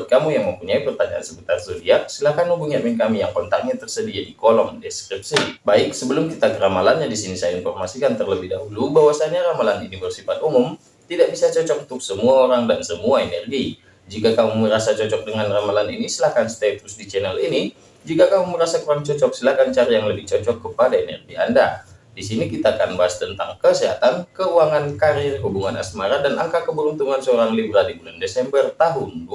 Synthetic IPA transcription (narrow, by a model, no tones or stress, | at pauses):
t̪̚kamujaŋməmpuɲaipərt̪aɲaʔa̰nsəbut̪arsudiasəlahkanubuŋamɛnkamijaŋkɔnt̪ak̚ɲat̪ərsədiadikolɔmdɛskɾip̚sibaɪk̚səbəlʊmkit̪akəɾamalanɲadisinisajainfɔrmasikant̪ərləbɪhdaɦulubawasaɲaɾamalanunifɛrsifat̪̚umʊm | t̪idaʔbisat͡ʃɔt͡ʃɔk̚unt̪ʊksəmuaoɾaŋdansəmuaenɛrɡi | d͡ʒikakamuməɾasat͡ʃɔt͡ʃɔk̚dəŋanramalanḭnisəlahkanst̪at̪usdit͡ʃɛnɛlini | d͡ʒikakamuməɾasakuɾaŋt͡ʃɔt͡ʃɔk̚səlahkant͡ʃaɾajaŋləbɪht͡ʃɔt͡ʃɔkːəpadaenɛrɡia̰nda | disinikit̪aːkanbaɦast̪ənt̪aŋkəsiɦat̪ankəuaŋankaɾɪrɦubuŋana̰smaɾadanʔaŋkakəbəɾunt̪uŋansəoɾaŋlibɾadibulandesɛmbərt̪aɦʊn